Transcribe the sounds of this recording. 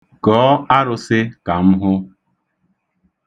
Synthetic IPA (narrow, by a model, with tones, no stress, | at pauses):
kɔː˨˦a˦ɾʊ˨sɪ˦ka˨m̩˦ɦʊ˦